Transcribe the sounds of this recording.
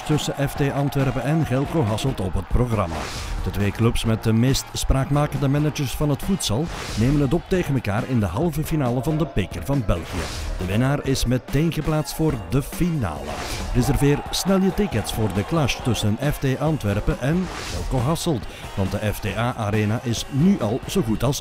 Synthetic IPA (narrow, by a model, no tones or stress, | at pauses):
tɵsənʔɛfteːʔɑntʋɛrpəɛnɣɛlˠkoɦɑsəlˠtɔpɦət̚proχrɑ̰ma̰ːd̥ətʋeːklɵpsmɛt̚dəmeːstspraːkmaːkəndəmɛnəd͡ʒəɹsfɑnɦətfutsəlˠneːmənɦət̬ɔp̚teːɣənməlka̰ːrɪndəɦɑlˠvəfinaːləvɑndəpekərvɑnbɛlˠɣijə̰d̥əʋɪnaːrɪsmɛteːnɣəplaːtstfoːrdəfina̰ːlə̰rɪzɛrveːrsnɛlˠjətɪkətsfoːrdəklaʃtɵsənɛfteːʔaːntʋɛrpəʔɛnɣ̥ɛlˠkoɦɑsəlˠt | ʋɑnt̚dəʔɛfdeːaːʔaɾeːnaʔɪsnyʔɑlˠz̥oɣutɑlˠs